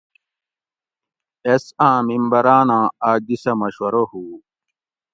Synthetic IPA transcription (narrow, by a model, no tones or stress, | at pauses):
esãːmimbɐɾaːnãːaːɡisɐmɐɕwɐɾohuː